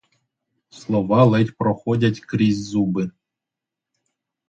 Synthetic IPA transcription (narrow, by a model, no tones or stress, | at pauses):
slˠoʋɑlˠɘtʲproxodʲatʲkrʲizʲzubɨ